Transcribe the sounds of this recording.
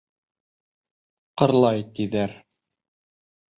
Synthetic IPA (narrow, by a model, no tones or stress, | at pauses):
qɤ̆ɾlˠɑjt̪iðæɾ